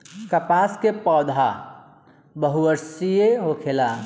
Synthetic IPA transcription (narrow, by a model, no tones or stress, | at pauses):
kəpaːskepɔːd̪ʱa | bəɦuʋəɾsijeɦokʰela